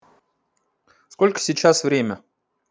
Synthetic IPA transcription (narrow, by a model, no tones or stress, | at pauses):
sko̞lʲkə̥sʲit͡ɕasvɾʲemʲə